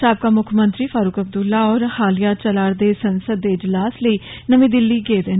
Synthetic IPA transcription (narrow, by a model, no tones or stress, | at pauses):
aːp̚kaːmʊkʰmə̃nt̪ɾiːfʰaːɾuːkəb̚d̪ʊlːaːɔːɾhaːlijaːt͡ʃəlaːɽd̪eːsənsəd̪ːeːɪd͡ʒlaːsləiːnəmĩːd̪ɪlːiːɡeːd̪eːn